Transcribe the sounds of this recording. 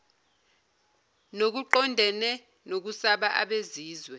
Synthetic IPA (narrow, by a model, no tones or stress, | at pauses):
nok̬uǃɔndʱɛnɛ | nok̬usaɓaʔaɓeziːzwɛ